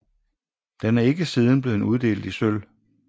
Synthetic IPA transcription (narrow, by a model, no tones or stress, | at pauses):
d̥enæɐe̝ɡ̥əsiːð̞ˠn̩b̥le̝ːð̩uð̞ˠd̥e̝̰ːld̩ˠisøl